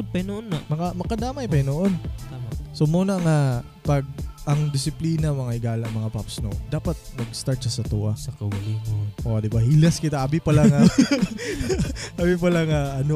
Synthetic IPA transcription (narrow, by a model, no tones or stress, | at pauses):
pɐnoʔonːamɐkamɐkɐd̪aːmɐʔjpɐjnoʔonasomoːnɐŋa | pɐɡ̚ɐŋd̪ɪsɪpliːnɐmɐŋaʔɪɡaːlɐɐŋmɐŋapapsno̰d̪aːpɐt̪̚mɐɡst̪aɹt̪̚ʃɐsɐt̪uːʔɐsɐkɐlɪoʔod̪ɪbahilɐskɪt̪aʔabɪpɐlaŋa | ʔabɪpɐlɐŋaʔɐno